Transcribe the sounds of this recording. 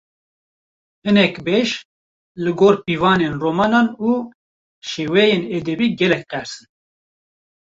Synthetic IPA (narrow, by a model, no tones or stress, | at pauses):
hɨnɛkbeːʃ | lɨɡoːɾpiːvɑːneːnroːmɑːnɑːnuː | ʃeːwɛjeːnɛd̪ɛbiːɡɛlɛk̚qɛɾsɨn